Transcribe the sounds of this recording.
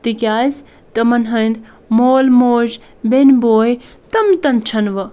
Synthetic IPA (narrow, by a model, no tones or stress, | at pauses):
t̪ikjaːjs | t̪ɐmɐnɦəjnd̪ | moːlmoːd͡ʒ | benboːj | t̪ɐmt̪ɐmt͡ʃʰɐnʋɐ